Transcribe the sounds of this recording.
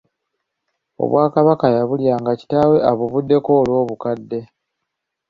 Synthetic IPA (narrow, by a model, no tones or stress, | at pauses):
o̞̰βwaːkaβakajaβuljaːŋɡaci̥taːwe̞aβuβudːe̞ko̞ːlwo̞ːβukadːe̞